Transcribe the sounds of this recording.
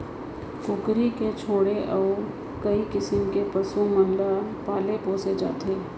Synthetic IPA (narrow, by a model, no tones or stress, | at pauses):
kʊkɾiket͡ʃʰoːɽeʔɔː | kɐikɪsəmkepɐsumɐ̃nlapaːlepoːsed͡ʒa̰ːt̪eː